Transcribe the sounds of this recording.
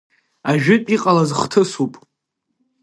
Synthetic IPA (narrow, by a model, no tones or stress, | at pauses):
aʒᶣʏtʼiqʼalazχtʰɨsupʼ